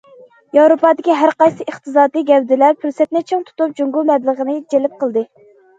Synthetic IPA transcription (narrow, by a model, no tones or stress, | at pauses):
jɑwɾopɑːd̪ɪkʲiɦæɾqɑjsɨəχt̪ɨzɑːd̪ɨɡʲɛwd̪ɪlæɾpʰylsɛt̪̚nɪt͡ʃʰeŋt̪ʰu̥t̪up̚d͡ʒuŋɡumɛblˠəʁənɨd͡ʒelɪp̚qʰəlˠd̪ɨ